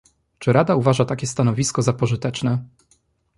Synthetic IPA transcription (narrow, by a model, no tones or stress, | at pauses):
t͡ʂɘɾad̪auvaʐat̪akʲɛst̪anɔvʲiskɔzapɔʐɘt̪ɛt͡ʂnɛ